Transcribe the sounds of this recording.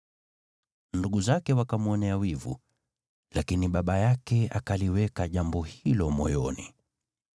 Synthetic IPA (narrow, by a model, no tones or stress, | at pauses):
nduɠuzakɛwakamuɔnɛawivṵ | lakiniɓaɓajakɛakaliwɛkaʄambɔhilɔmɔjɔnḭ